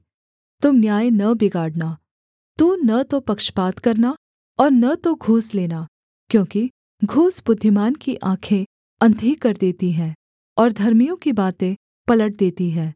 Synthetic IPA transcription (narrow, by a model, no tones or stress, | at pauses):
t̪ʊmnjaːjnɐbɪɡaːɽnaː | t̪unɐt̪opɐkʃpaːt̪kɐɾna | ɔːɾnɐt̪oɡʱuːsleːnaː | kjõːki | ɡʱuːsbʊd̪ʱːɪmaːnkiʔãːkʰẽ | ɐ̃nd̪ʱikɐɾd̪eːt̪iɦɛ̃ː | ɔːɾd̪ʱɐɾmijõkibaːt̪ẽ | pɐləʈ̚d̪eːt̪iɦɛː